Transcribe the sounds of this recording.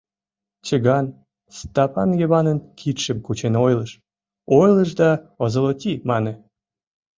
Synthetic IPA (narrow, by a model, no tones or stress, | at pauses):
t͡ɕəɣɑn | st̪ɑpɑ̰njeβɑnənkʰit̪ʃəmkut͡ɕenojləʃ | ojləʃ̬d̪ɑəzə̆lot̪ʲimɑne